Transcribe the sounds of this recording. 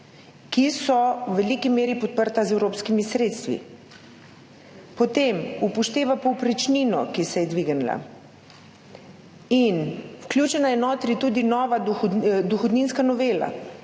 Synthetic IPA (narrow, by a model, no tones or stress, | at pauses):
kisɔwʋɛlikimeːɾipɔt̪̚pəɾt̪azɛwɾoːpskimisɾeːt̪st̪ʋḭ | pɔt̪emupɔʃt̪eːʋapɔwpɾit͡ʃniːnɔ̰kisɛjɛd̪ʋiːɡnla̰ | inwklʲjuːt͡ʃɛnajɛnɔːt̪ɾit̪uːd̪inɔːʋad̪uxɔd̪ninskanɔʋeːla̰